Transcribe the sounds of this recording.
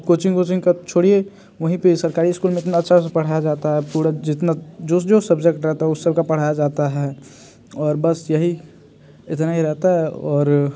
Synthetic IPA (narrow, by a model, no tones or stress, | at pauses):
koːt͡ʃɪ̃ŋɡkoːt͡ʃɪ̃ŋɡkat͡ʃʰoːɽie | ʋɐɦĩpesɐɾkaːɾiɪskuːlmeɪt̪̬naɐtːʃʰapɐɽ̤ajad͡ʒaːt̪aɦɛpuːɾad͡ʒɪt̪nad͡ʒosd͡ʒosəbd͡ʒekʈɾɛɦt̪aɦɛʊsːəb̚kapɐɽ̤aːjad͡ʒaːt̪aɦɛɛ | ɔːɾbəsjɐɦi | ɪt̪naɦiɾɛɦt̪aɦɛɔːɾ